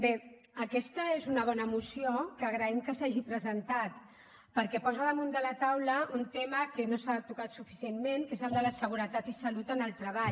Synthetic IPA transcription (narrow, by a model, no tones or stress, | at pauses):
be | əkɛst̪əezunəβ̞ɔnəmusiokəːɣɾəɛmkəsaʒipɾəzənt̪at̪ | pəɾkɛpɔzəðəmund̪ələt̪awləunt̪ɛməkənosat̪ukat̪sufisienmeŋkezəlˠd̪ələsəɣ̞uɾət̪at̪isəlut̪ənəlˠt̪ɾəβ̞aʎ